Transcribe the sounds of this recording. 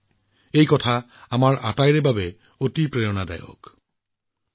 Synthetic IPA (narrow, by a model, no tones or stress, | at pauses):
ejkɔt̪ʰa | amaɾʔa̰t̪ajɾebʱabe | ot̪ipɾejonad̪a̰jo̰k